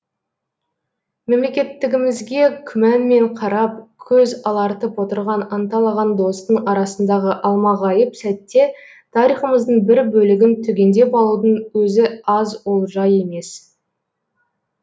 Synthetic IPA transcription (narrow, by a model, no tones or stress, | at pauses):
me̞mle̞kʲe̞t̪ːɪɡʲɪmɪzɡʲe̞kʲʰʏmænme̞ɴqʰɑɾɑp̚kʲʰɵzɑlˠɑɾt̪əpwo̞t̪əɾʁɑnɑnt̪ɑlˠɑʁɑnd̪o̞st̪əɴɑɾɑsənd̪ɑʁəʔɑlˠmɑʁɑjəpsæt̪ːe̞ | t̪ʰɑɾijχəməzd̪əɴbɪɾbɵlɪɡʲɪnt̪ʰʏɡʲe̞nd̪e̞pɑlˠud̪əɴwɵzɪɑzwolˠʒɑje̞me̞s